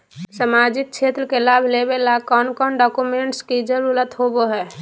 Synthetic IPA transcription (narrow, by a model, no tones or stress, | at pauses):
səmaːd͡ʒɪk̚t͡ʃʰeːt̪ɾəkelaːbʱlebelakɔːnkɔːnɖɔːkumẽɳʈskid͡ʒəlulət̪ɦoboɦɛː